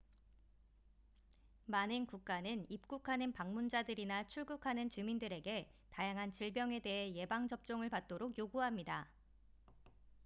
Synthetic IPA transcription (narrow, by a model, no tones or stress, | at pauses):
manɯnkuk̚k͈anɯnip̚k͈ukʰanɯnpaŋmund͡ʑadɯɾinat͡ɕʰuɭɡukʰanɯnt͡ɕumindɯɾe̞ɡe̞ | tajaŋɦant͡ɕiɭbjʌŋe̞de̞ɦe̞je̞baŋd͡ʑʌp̚t͡ɕ͈oŋɯɭpat̚t͈oɾokjoɡuɦamɲida